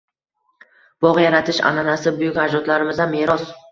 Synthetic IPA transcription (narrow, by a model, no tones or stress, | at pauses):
b̥ɒʁjaɾat̪ʰɪʃa̰nanasɪbʊjɪkʲad͡ʒɒt̪laɾɪmɪzameɾɒs